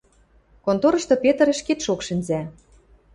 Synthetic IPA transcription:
kont̪oɾɤ̆ɕt̪ŏpʲet̪ə̆ɾĕʃket̪ʃokʃɘ̆nzæ

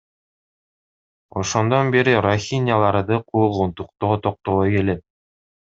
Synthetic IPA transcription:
ŏʃond̪ɑnbiɾɘɾoxʲinʲjalˠɑɾɤd̪ɤqujɤ̆lˠʁunt̪uq̚t̪ot̪oq̚t̪oɤkelɘp̚

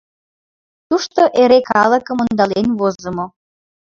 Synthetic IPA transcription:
t̪uʃt̪oʔeɾekɑləkə̆mond̪ɑlenβozə̆mo

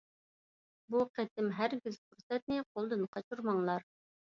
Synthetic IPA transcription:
buqʰet̪ʰɪmɦæɾɡʲizfuɾsɛt̪̚nɪqʰolˠd̪ɨnqʰɑt͡ʃʰuɾmɑŋlˠɑɾ

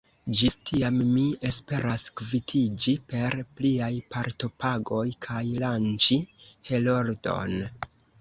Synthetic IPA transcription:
d͡ʒistʰiamːie̞spe̞ɾaskvitʰid͡ʒipe̞ɾpliajpaɾto̞paɡo̞jkʰajlant͡ʃihe̞lo̞ɾdo̞̰n

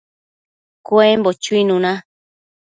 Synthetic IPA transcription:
koembot͡ʃuinũnã

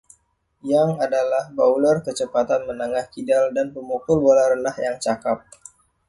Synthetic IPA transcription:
jaŋadalahbaulɔrkət͡ʃəpat̪anmənəŋahkidaldanpəmukʊlbolaɾəndahjaŋt͡ʃakap̚

